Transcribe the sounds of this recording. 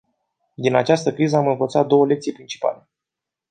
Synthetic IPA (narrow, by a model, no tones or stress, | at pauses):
d̪inat͡ʃast̪əkɾizəamɨnvət̪sat̪̚d̪o̞wəle̞kt̪sijpɾint͡ʃi̥pa̰le̞